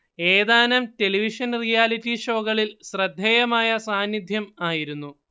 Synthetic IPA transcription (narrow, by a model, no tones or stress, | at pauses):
eːd̪aːnɐmte̞liʋiʂɐnrijaːlitːiʂoːɣɐɭilɕrɐd̪ʱːejɐmaːjɐsaːnjid̪ʱjɐmaːjiɾunːu